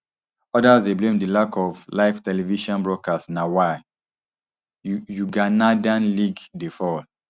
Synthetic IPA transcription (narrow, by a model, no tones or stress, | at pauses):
ɔdazdeblẽmdilakʰɔvlaɪftɛlɛviʃɔ̃nbɹɔkasnawa | juɡanadãnliɡdefɔ